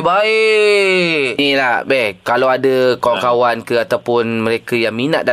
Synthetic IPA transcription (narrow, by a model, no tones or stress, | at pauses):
baɪ | nilahbɛhkalawadəkawaŋkawankəat̪awpʊnməɾekəjaŋmina̰ʔ̚da